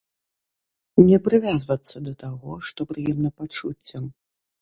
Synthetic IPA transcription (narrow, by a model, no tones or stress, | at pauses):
nʲɛpɾɨvʲazvɐt̪sːɐd̪ɐt̪aɣɔʂt̪ɔpɾɨjɛmnɐpat͡ʂut͡sʲːɐm